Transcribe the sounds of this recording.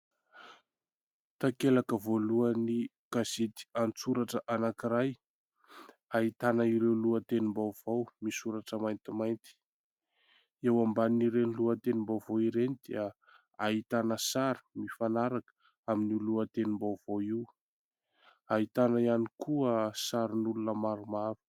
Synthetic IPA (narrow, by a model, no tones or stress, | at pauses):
t̪akelakəvoluəni | kazet̪i̥ant͡suɾaʈ͡ʂəʔanakiɾaj | aɦit̪anəiɾewluət̪enimbawv̥owmisuɾaʈ͡ʂəmajnt̪imajnt̪i̥ | ewambaniɾenluət̪enimbawvowiɾenid̪̥eə | ait̪anəsaɾi̥mifanaɾakə̥ | aminiluət̪enimbawv̥owiw | aɦit̪anaianikʰuəsaɾinulunəmaɾumaɾu̥